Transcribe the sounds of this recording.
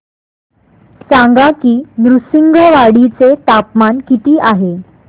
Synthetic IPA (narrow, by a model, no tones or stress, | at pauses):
sãŋɡakiːnɾusiŋɡəʋaɽit͡set̪apmankit̪iːʔaɦe